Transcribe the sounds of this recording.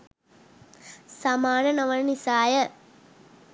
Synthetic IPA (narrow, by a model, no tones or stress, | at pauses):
sɐmaːnɐnɐʋɐnɐnisaːjɐ